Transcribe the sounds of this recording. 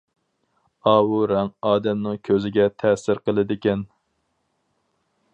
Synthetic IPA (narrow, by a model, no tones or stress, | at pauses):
ɑːwuɾɛŋɑːd̪ɛmnɨŋkʲʰøzɪɡʲɛt̪ʰɛsɪɾqəlˠɨd̪ɪkʲɛn